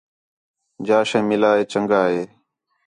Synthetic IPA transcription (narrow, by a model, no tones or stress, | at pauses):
d͡ʒaːʃẽːmɪlaːeːt͡ʃəŋɡaːɦeː